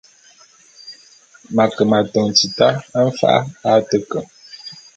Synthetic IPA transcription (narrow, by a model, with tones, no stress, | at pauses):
ma˨kə˨ma˨tɔ˨ŋ˨t͡si˨ta˦ə˦ɱ̩˦fa̰˦ʔa̰˦a˦tə˦kə˨